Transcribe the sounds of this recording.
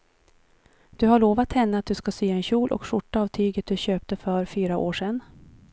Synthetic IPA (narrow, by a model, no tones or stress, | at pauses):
d̪̥ɵhaɭoːvat̪hɛnːəat̪̚d̪ɵskasyːɛnɕuːlʔɔ̰kʂʊʈːaːvt̪ʰyːɡət̪̚d̪ɵɕøːp̚t̪əfœɾfyːɾaʔoːʂɛn